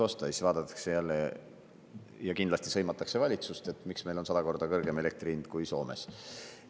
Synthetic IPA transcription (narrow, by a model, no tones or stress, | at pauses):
o̞st̪ɑisvɑːd̪̥ɑt̪ːˑɑ̥kse̞jælːe | jɑkind̪lɑsʲt̪isɤ̞jmɑt̪ːˑɑkse̞vɑlʲit̪sust̪e̞t̪ːˑmiksme̞jlo̞nsɑd̪ɑko̞rd̪ɑkɤrɡ̥e̞me̞le̞k̚t̪riːnd̪̥kujso̞ːme̞̰s